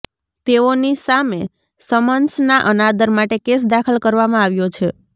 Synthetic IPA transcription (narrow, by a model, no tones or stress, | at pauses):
t̪eonisame | səmənsnaʔənad̪əɾmaʈekes̬d̪akʰəlkəɾʋamãaʋjot͡ʃʰe